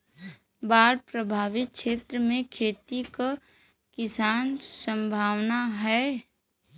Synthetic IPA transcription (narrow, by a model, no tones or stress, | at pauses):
baːɾpɾəbʱaːʋɪt̪̚kʃeːt̪ɾəmẽkʰeːt̪ika | kɪsaːnsə̃mbʱaːʋnaɦɛː